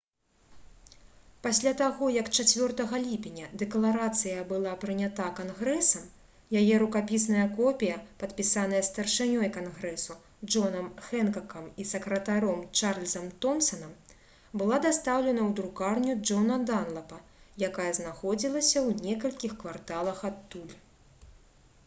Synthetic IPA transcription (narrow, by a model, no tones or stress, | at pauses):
pasʲlʲat̪aɣɔjɐkt͡ʂat͡sʲvʲɔrt̪ɐɣɐlʲipʲinʲɐd̪ɛklˠaɾat̪sɨjɐbɨlˠapɾɨnʲat̪akanɣɾɛsɐm | jajɛɾukapʲis̬nɐjɐkɔpʲijɐpɐt̪pʲisan̪ɐjɐst̪ɐrʂɨnʲɔjkanɣɾɛsu | d͡ʐɔnɐmxɛnkɐkɐmisɐkɾɐt̪aɾɔmt͡ʂarlʲzɐmt̪ɔmsɐnɐm | bɨlˠad̪ast̪awlʲɛnɐwd̪ɾukarnʲud͡ʐɔnɐd̪anlˠɐpɐjakajɐznaxɔd͡zʲilˠɐsʲɐwnʲɛkɐlʲkʲixkvart̪alˠɐxat̪ːulʲ